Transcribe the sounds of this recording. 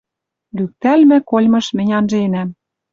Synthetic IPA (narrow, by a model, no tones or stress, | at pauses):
lyk̚t̪ælmɘ̆kolʲmɤ̆ʃmɘ̆nʲɑnʒenæm